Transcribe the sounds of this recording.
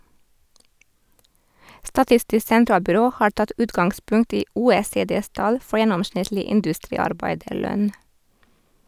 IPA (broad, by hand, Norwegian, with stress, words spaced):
stɑˈtɪstɪs sɛnˈtɾɑːlbʏˌɾoː ˈhɑːɹ ˈtɑt ˈʉːtɡɑŋɡˌspʉŋt ˈiː ˈuːeːˌseːˌdeːs ˈtɑl ˈfɔɹ ˈjɛnɔmˌʃɳɪtlɪ ˈɪndʉstɾiːɑɾˌbæɪdəˌɭœn